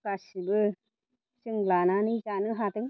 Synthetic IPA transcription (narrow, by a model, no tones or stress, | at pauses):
kasibɯ | sɯŋlananit͡ʃanɯɦat̪ɯŋ